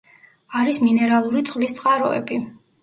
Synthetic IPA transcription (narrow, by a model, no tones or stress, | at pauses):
aɾisminɛɾalˠuɾit̪sʼqʼlist̪sʼqʼaɾɔ̰ɛ̰bi